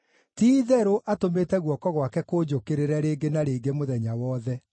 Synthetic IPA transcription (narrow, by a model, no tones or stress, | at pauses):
tiːðɛɾoʔatometɛɣwɔkɔɣwakɛkoːd͡ʑokeɾeɾɛɾeːɡenaɾeːɡemoðɛɲawɔðɛ